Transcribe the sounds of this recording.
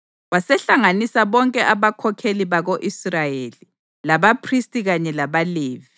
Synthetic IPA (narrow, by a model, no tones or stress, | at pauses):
wasɛɬaŋanisaβɔŋkʼɛʔaβakʰɔkʰeliβaɣoʔisrajeli | laβapʰristʼiɣaɲɛlaβaleːvi